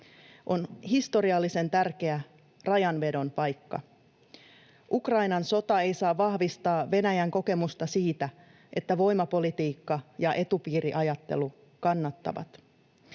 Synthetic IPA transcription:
ʔo̞nhist̪o̞ɾiɑlːise̞nt̪ærk̟e̞æ | rɑjɑnʋe̞do̞npɑjkːɑ̰ | ʔukrɑjnɑnso̞t̪ɑe̞jsɑːɑhʋist̪ɑːʋe̞næjæŋko̞ke̞must̪ɑsiːt̪æ | ʔe̞t̪ːæʋo̞jmɑpo̞lit̪iːkːɑjɑʔe̞t̪upiːɾiʔɑjɑt̪ːe̞̰lu | kɑnːɑt̪ːɑ̰ʋɑ̰t̪

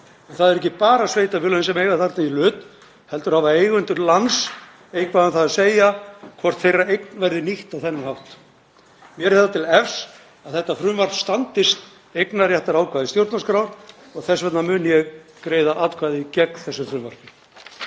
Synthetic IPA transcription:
ɛnθaðɛɾɛhcɪpaːɾasveːjt̪avɪɾlœðnnsɛmejɣaθar̥t̪nailʏːt̪ | hɛlt̪ʏɾ̥havaeːjɣʏnt̪ʏɾlans | ejkʰvaːðanθaðaseːjakʰvɔr̥t̪θejraejk̚nvɛɾðɪniht̪awθɛnːɪmhawht̪ | mjɛɾɛt̪at̪ʰɪlɛfs | aðθɛht̪ːafɾʏːmvaɾ̥v̥st̪ant̪ɪst̪ | ejknarjɛht̪aɾaːwkʰvaːðɪst̪jowɾt̪naskɾaːwɾ | ɔɣθɛsvɛt̪namʏːnjɛɣkɾeːjðaʔaːt̪kʰvaːðɪicɛkθɛsːʏfɾʏːmva̰r̥pɪ

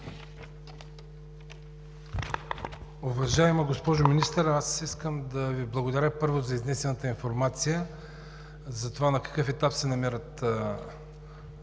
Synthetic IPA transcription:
ovɐʒaɛmɐɡospɔʒominist̪əɾasiskəmd̪ɐviblˠɐɡod̪ɐɾʲəpɤɾvozɐiznɛsɛnɐt̪əinfoɾmat̪sijə | zɐt̪ovanɐkɐ̥kɤfɛt̪apsɛnɐmɛɾət̪

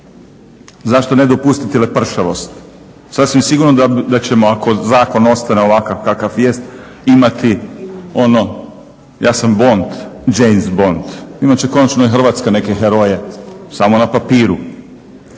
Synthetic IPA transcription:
zaʃt̪o̞ne̞d̪opust̪it̪elepr̩ʃaʋo̞st̪ | sasʋimsiɡuɾnod̪ad̪at͡ɕe̞mo̞ako̞zaːko̞no̞st̪aneoʋakaʋkakaʋʋjest̪ | imat̪ʰio̞no̞ | jaːsambo̞nt̪d͡ʒejnsbo̞nt̪imat͡ɕeko̞nat͡ʃnoixr̩ʋaːt̪skane̞ke̞xeɾo̞jesamonapapiːɾu

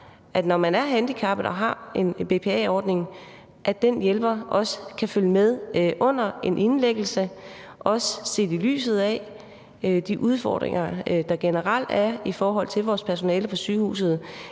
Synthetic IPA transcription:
ʔæd̥nɒmænæɐɦænd̥ikʰɑb̥d̥ɑ̈ɦɑ̈e̝nb̥e̝ːpʰe̝ɛ̰ɒːd̥ne̝ŋ | ʔæ̥d̥enjelb̥ɐʔɒ̽sə̥kʰæføljəmeð̞ˠʔɔ̽n̰ɐe̝nʔe̝nleɡ̥l̩sə | ʔɒ̽səse̝̰ːd̥ily̰ːsð̞̩ˠɛ | d̥iʔuð̞ˠfɒ̰ːd̥ʁḛŋɐd̥ɑ̈ɡ̥enəʁɑl̰d̥æɐifɒːɦɒ̽l̰t͡sʰe̝lʋɒːspʰæɐso̝nɛːləpʰɒ̽syːhṵːs̬ð̩ˠ

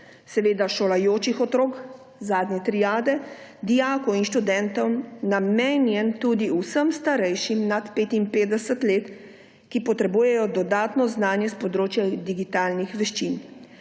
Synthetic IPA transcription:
sɛʋeːd̪aʃolajoːt͡ʃixɔt̪ɾoːk | zaːd̪ɲɛt̪ɾijaːd̪ɛd̪iaːkɔinʃt̪ud̪ɛnt̪ɔwmnameːnjɛnt̪ud̪iusəmst̪aɾɛjʃimnat̪peːt̪inpeːd̪ɛsət̪leːt̪ | kipɔt̪ɾɛbuːjɛjɔd̪ɔd̪aːt̪nɔznaːnjɛspɔd̪ɾoːt͡ʃjad̪iɡit̪aːlnixʋɛʃt͡ʃin

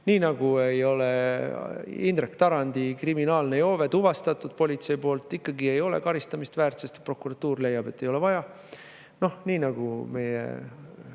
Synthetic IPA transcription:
niːnɑɡ̥uejo̞le | ind̪ɾekːt̪ɑɾɑnd̪̥ikriminɑːlne̞jo̞ːve̞t̪uvɑst̪ɑt̪ːˑud̪̥̚po̞lʲit̪se̞jpo̞ːlt̪ːˑikːɑɡie̞jo̞le̞̰kɑɾist̪ɑmist̪væːrt̪sest̪e̥pro̞kuɾɑt̪ːuːrle̞jːɑb̥e̞t̪ːe̞jo̞le̞vɑjɑ | no̞hniːnɑɡ̥ume̞jḛ

